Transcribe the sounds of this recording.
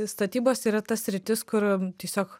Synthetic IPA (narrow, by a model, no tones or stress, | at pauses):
st̪ɐt̪ʲiːboːsiːɾɐt̪ɐssʲɾʲɪt̪ʲɪskʊɾt̪ʲiɛsʲoːk